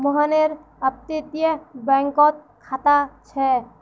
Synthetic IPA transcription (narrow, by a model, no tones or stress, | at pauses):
mɔɦaneɾ | ap̚t̪it̪iebɛŋkɔt̪̚ | kʰat̪at͡ʃʰɛ